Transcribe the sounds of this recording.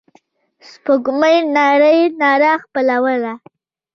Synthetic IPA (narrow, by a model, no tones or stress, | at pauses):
spoɡməjnɑɾəjnɑɾaxpəlawəla